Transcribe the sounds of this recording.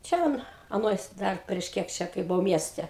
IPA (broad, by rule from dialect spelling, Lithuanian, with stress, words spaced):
ˈt͡ʃʲɛ ɐn ɐˈnoːj ˈdɐr pʲrʲiɛʃ ˈkʲiɛk t͡ʃʲɛ kɐɪ bʊˈɐʊ ˈmʲiɛsʲtʲɛ